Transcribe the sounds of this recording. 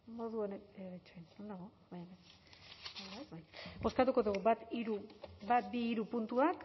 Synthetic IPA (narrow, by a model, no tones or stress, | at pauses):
mo̞ðuoneeβet͡ʃonond̪aɣoβajβe | oβabajbo̞skat̪uko̞ðuɣuβat̪iɾubat̪biːɾupunt̪uak